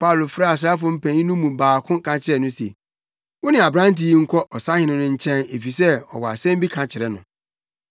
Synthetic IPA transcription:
pa˦˨lo˨fɾa˦˨a˨s̬ɾa˦f̬ʊ˦m̩˦pʰæ̃˨˦ĩ˦nũ˦mũ˨baː˨kʰʊ̃˦kʰã˨t͡ɕʰɪ˨ɾɛ˨nʊ̃˦se˨ | wʊ˦nɪ̃˨a˨bɾã˦n˦ti˦ŋ̩˦kʰɔ˦ʔɔ˨sa˦hɪ˨nɪ̃˦nʊ̃˦ɲ̩˦t͡ɕʰɛ̃˦ne˨fi˨sɛ˦ɔ̰˨wɔ˨a̰˨sɛ̃˦m˦bi˦kʰã˨t͡ɕʰɪ˨ɾɛ˨nʊ̃˨

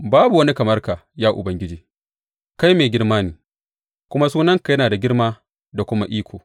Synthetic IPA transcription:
baː˦bu˨wɐ˦ni˦kɐ˨mɐ˦rkaː˨jaː˦ʔʊ̰˨bɐ˨ŋɡʲɪ˦d͡ʒiː˦ | ka˦jmeː˨ɡʲɪ˦rmaː˦niː˨ | kʷʊ˦ma˦suː˦nɐ˦ŋka˨jɐ˦naː˨da˨ɡʲɪ˦rmaː˦ | da˨kʷʊ˦ma˦ʔiː˦kʷoː˨

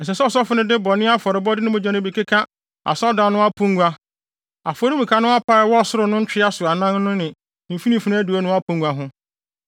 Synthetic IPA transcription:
n̩˨s̬ɛ˨sɛ˦sɔ˦fʊ˦nɪ̃˦dɪ˦bɔ˨nɪ̃˦a˦fɔ˨ɾɪ˨bɔ˦dɪ˦nʊ̃˦mʊ̃˨d͡ʑã˨nɪ̃˦bi˨kʰe˦kʰã˦ | a̰˨sɔ˦dã˨nʊ̃˦a˦pʰũ˦ŋ˦ɡʷa˦ | a˨fɔ˨˦ɾĩ˦mũ˨kʰa˦nʊ̃˦a˦pʰa˦˨ɪ˨wɔ˦˨sʊ˦ɾʊ˨nʊ̃˦ɲ̩˦t͡ɕᶣɪ˦a˦sʊ˨a˨nã˦n˦nʊ̃˦nɪ̃˨ | ĩ˨fi˦nĩ˨fi˨˦ñ˦æ˦du˨a˦nʊ̃˦a˦pʰũ˦ŋɡu˨a˦ɦʊ̃˦

